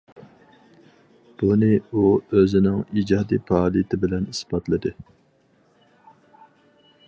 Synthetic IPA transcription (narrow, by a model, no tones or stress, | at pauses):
b̥unɨuøzɪnɪŋid͡ʒɑːd̪ipʰɑːlˠijt̪ʰɪbɪlɛnisbɑt̪lˠɨd̪ɨ